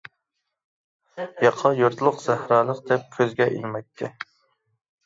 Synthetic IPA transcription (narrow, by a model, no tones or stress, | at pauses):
jɑqʰɑjuɾt̪ʰlˠəqz̥æhɾɑːlˠəqd̪̥ɛp̚kʲʰøzɡʲɛʔḭlmɛk̚ʲt̪ʰɛ